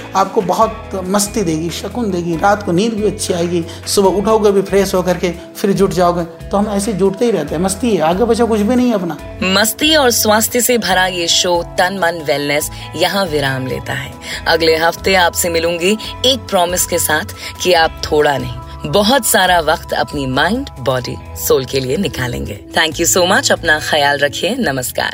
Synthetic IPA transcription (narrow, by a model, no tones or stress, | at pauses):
aːp̚kobɐɦʊt̪ | mɐst̪id̪eːɡiʃɐkʊnd̪eːɡiɾaːt̪koniːɾbʱiɐtːʃʰiaːeːɡi | sʊbʊʈʰoːɡebʱipʰɾeːsɦokɐɾke | fɪɾd͡ʒʊʈʰd͡ʒaːoɡe | t̪oɦɐmɛːsed͡ʒuːʈt̪eɦiɾɛɦt̪eɦɛ̃mɐst̪iɦɛaːɡebɐt͡ʃakʊt͡ʃʰbʱinɐɦĩɦɛɐpnaː | mɐst̪iɔːɾswaːst̪ʰəsebʱɐɾajeʃoːt̪ɐnmɐnʋɛːlnɛs | jɐɦãʋɪɾaːmlḛːt̪aɦɛ̰ːɐɡleɦɐft̪eaːpsemɪlũːŋɡieːk̚pɾɔːmɪskesaːt̪ʰkiaːp̚t̪ʰoːɽanɐɦĩ | bɔɦʊt̪saːɾaʋɐqt̪ɐ̰pnimãːɪɳɖbɔːɖḭ | soːlkelienɪkaːlḛ̃ːŋɡḛːt̪ʰɛ̃ːŋkjusoːmɐt͡ʃɐpnaxɐjaːlɾɐkʰienɐməska̰ːɾ